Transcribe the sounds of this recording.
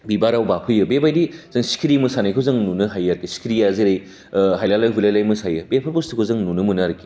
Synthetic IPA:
bibaɾawbapʰɯjɯbebajdiz̥ɐŋsi̥kʰiɾimɐsanajkʰɯzɐŋnunɯɦajaɾkisi̥kʰɾijazeɾej | ɦajlalajɦulajlajmɯsajɯbepʰaɾpostʰɯkʰozɐŋnunɯmunaɾɐki̥

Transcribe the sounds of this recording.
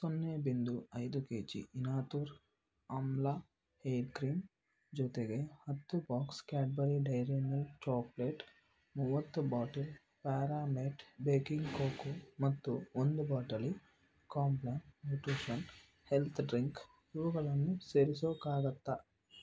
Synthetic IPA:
sonːeːbind̪uɐjd̪ukeːt͡ʃḭinaːt̪uːɾ | ɐmla | hejɾkɾiːm | d͡ʒuːt̪eɡehɐt̪ːubaːkskaːʈ̚bɐɾiɖɐjɾeːnɐlt͡ʃaːpleːʈ | muʋɐt̪ːubaːʈɐl | paːɾaːmeːʈbeːkiŋɡkoːkumɐt̪ːuond̪ubaːʈɐli | kaːmplaːɳʈmuːʈuːʃɐn | helt̪ʰɖɾiŋk | uʋɐɡɐlɐnːuseːɾisoːkaːɡɐt̪ːa

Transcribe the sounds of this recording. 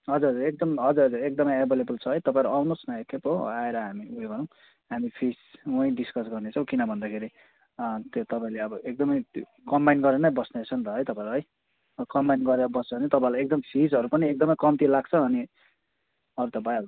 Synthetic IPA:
ɦʌd͡zuɾɦʌd͡zuɾek̚d̪ʌmɦʌd͡zuɾɦʌd͡zuɾek̚d̪ʌmʌjebelebult͡sʰʌɦʌjt̪ʌpãẽɾuawnosnʌekʰepɦo̰aeɾʌɦamiujoɡʌɾʌ̃w̃ | ɦamipʰisuʌj̃ɖiskʌsɡʌrnet͡sʰʌ̃w̃kinʌbʱʌnd̪akʰeɾi | t̪jot̪ʌpaĩleʌbʌʔek̚d̪ʌmʌj | kʌmbajnɡʌɾenʌjbʌsnet͡sʰʌnt̪ʌɦʌjt̪ʌpaẽɾuɦʌj | kʌmbajnɡʌɾeɾʌbʌst͡sʰʌbʌnit̪ʌpãĩlajek̚d̪ʌmsʰid͡zɦʌɾupʌniek̚d̪ʌmʌjkʌmt̪ilaɡ̚t͡sʰʌʌni | ʌɾut̪ʌpaĩʌb

